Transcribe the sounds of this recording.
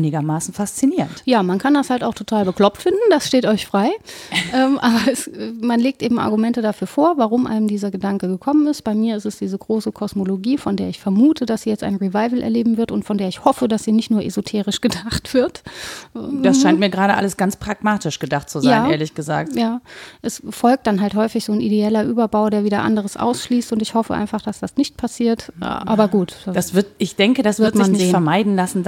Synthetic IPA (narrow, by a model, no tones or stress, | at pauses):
nɪɡɐmaːsn̩fast͡siniːʁəntjaːmankʰandashaltaʊxtʰotʰaːlbəkl̥ɔp̚tfɪndn̩d̥asʃteːtɔʏçfʁ̥aɪʔɛːmʔaːbɐɛsɛmanleːk̚tʔeːbm̩ʔa̰ɐɡumɛntədafyːɐfoːɐvaʁʊmʔa̰ɪnəmdiːzɐɡədaŋkəɡəkʰɔmənɪstb̥aɪmiːɐɪstɛsd̥iːzəɡʁoːsəkʰɔsmoloɡiːfɔndeːɐɪçfɛɐmuːtʰədasz̥iːjɛt͡stʔa̰ɪnʁivaɪvl̩ʔɛ̰ɐleːbm̩vɪɐtʊntfɔndeːɐɪçhɔfədasz̥iːnɪçtnuːɐʔezotʰeːʁɪʃɡ̥ədaχtv̥ɪɐt | d̥asʃaɪnt̚miːɐɡʁaːɾəʔa̰ləsɡ̥ant͡spʁ̥aɡmaːtɪʃɡ̥ədaχtt͡suzjajaːʔeːɐlɪçɡ̥əza̰ːk̚tjaːʔɛsfɔlk̚td̥anɦalthɔʏfɪçz̥oːnʔideɛlɐʔyːbɐbaʊdeːɐviːdɐʔa̰ndəʁ̞əsʔa̰ʊsʃliːstʊntɪçhɔfəʔa̰ɪnfaχd̥asd̥asnɪçt̚pʰasiːɐtʔʔa̰ːbɐɡuːtd̥ad̥asv̥ɪɐtɪçd̥ɛŋkədasvɪɐtzmɪaçnnɪzetːənfɛɐmaɪdn̩lasn̩